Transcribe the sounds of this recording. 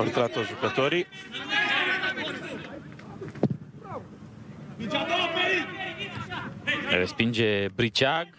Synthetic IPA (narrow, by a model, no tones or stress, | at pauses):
uɾt̪ɾat̪ot̪ʒukət̪o̞ɾi | ɾespind͡ʒe̞bɾit͡ʃaɡ